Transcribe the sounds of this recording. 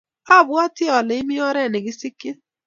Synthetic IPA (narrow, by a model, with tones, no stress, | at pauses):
a˦˨bʊ˦a˦tɪ˦˨ɔ˨le˨ɪ˦mɪ˦ɔ˦ɾɛ˦˨nɪ˨ɡɪ˦si˦kːe˦